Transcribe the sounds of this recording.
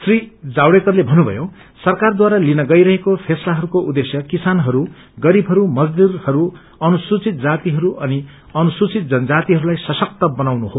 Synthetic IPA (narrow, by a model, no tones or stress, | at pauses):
srid͡zawɽekʌrlebʱʌnːubʱʌ̰jo | sʌrkard̪waɾalinʌɡʌjɾʌɦekopʰeslaɦʌɾukoʔud̪esjʌkisanɦʌɾu | ɡʌɾibʱɦʌɾumʌd͡zd̪irhʌɾu | ʌnusut͡sit̪̚d͡zat̪iɦʌɾuʔʌni | ʌnusut͡sit̪̚d͡zʌnʌd͡zat̪iɦʌɾulajsʌsʌk̚t̪ʌbʌnawnuɦo